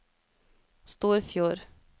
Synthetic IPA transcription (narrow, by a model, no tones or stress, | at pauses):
st̪uːɾfjuːɾ